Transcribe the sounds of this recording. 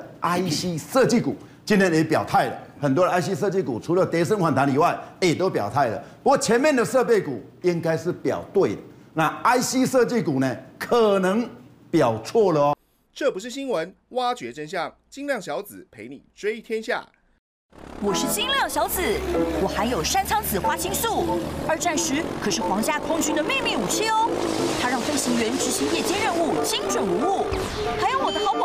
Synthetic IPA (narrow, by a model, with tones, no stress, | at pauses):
a˥ɪɕi˦sɤ˥˧t͡ɕi˥˩kṵ˨˩˦t͡ɕi˥nt̪ʰjɛ˥ne˨˦pjɑ˨˩ʊt̪ʰa˥˩ɪlə̰˩xə˨˩nt̪wɔ˥də˨˧a˥ɪɕi˦sɤ˥˧t͡ɕi˥˩ku˨˩t͡sʰu˧˥lə˨t̪jɛ˧˥s̬ə˥nkʰwa˨˦nt̪ʰa˧˦ni˨˩wa˥˩ɪe˨˩˨t̪o˥ʊpjɑ˨˩ʊt̪ʰa˥˩ɪlə̰˨˩pu˧kwɔ˥˩t͡ɕʰjɛ˧˦nmjɛ˥˨nd̪ə˨ʂɤ˥˧pe˥˩ɪku˨˩i˦ŋka˥˦ɪʂɻ̩˥˩pjɑ̰˨˩ʊt̪we˥˩ɪd̪ə˩ | na˥˨a˥ɪɕi˦sɤ˥˧t͡ɕi˥˩ku˨˩ne˨kʰə˨˩nə˧˦ŋ | pjɑ˨˩ʊt͡sʰwɔ˥˩lə˨ɔ˦ | ʈ͡ʂɤ˥˨pu˧˥ʂ̬ɻ̩˥˩ɕ̬i˥ŋwə˧˦n | wa˥t͡ɕɥɛ˧˥ʈ͡ʂə˥nɕ̬jɑ˥˨˩ŋ | t͡ɕi˥ŋljɑ˥˩ŋɕjɑ˧˥ʊt͡sɹ̩˨˩pʰe˧˥ɪnḭ˨˩ʈ͡ʂwe˥ɪt̪ʰjɛ˥nɕja̰˥˩ | wɔ˨˩ʂɻ̩˥˩t͡ɕi˥ŋljɑ˥˩ŋɕjɑ˧˥ʊt͡sɹ̩˨˩˦wɔ˨˩xa˧˥ɪjo˨˩ʊʂa˥nt͡sʰɑ˥ŋt͡sɹ̩˨˩xwa˥t͡ɕʰi˥ŋsu˥˩ə˞˧˥t͡swa˥˩nʂɻ̩˧˥kʰɤ˨˩ʂɻ̩˥˩xwɑ˧˥ŋt͡ɕja˥˩kʰʊ˥ŋt͡ɕy˥nd̪ə˨me˥˧ɪmi˥˩u˨˩t͡ɕʰi˥˧ɔ˥˦t̪ʰa˥ɻɑ˥˩ŋfə˥ŋɕi˧˥ŋɥɛ˧˥nʈ͡ʂɻ̩˧˥ɕi˧˥ŋjɛ˥˩t͡ɕjɛ˥nɻə˥˧nu˥˩t͡ɕʰi˥ŋʈ͡ʂwə˥˩nu˧˥u˥˩ | xa˧˥ɪjo˥˩wɔ˨˩d̪ə˦xɑ˧˥ʊp